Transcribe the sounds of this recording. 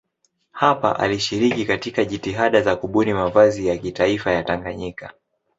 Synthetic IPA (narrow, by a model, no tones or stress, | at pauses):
hapa̰ʔa̰liʃiɾikikatikaʄitiɦaɗazakuɓunimavazijakitaifajataŋɡaɲika